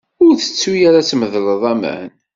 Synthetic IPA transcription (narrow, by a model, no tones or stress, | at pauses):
ʊɾθə̥t͡sːujaɾat͡sːməðləðˤæmæ̰n